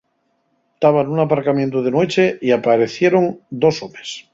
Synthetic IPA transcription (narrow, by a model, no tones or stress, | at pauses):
t̪aβanunapaɾkamjent̪oð̞enwe̞t͡ʃeiapaɾe̞θje̞ɾo̞nd̪o̞somes